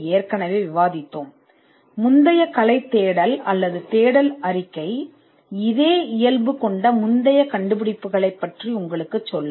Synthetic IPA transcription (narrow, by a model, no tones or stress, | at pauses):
eːrkɐɳɐʋeːʋɪʋaːðɪt̪ːoːm | mʊnd̪ɐjɐkɐlɐɪt̪ːeːɽɐlɐlːɐðɯt̪eːɽɐlɐrɪkːɐɪ | ɪðeːɪjɐlbɯkɔɳɖɐmʊnd̪ɐjɐkɐɳɖɯpɪɽɪpːɯɣɐɭɐɪpːɐʈriʊŋɡɐɭɯkːɯt͡ʃːɔlː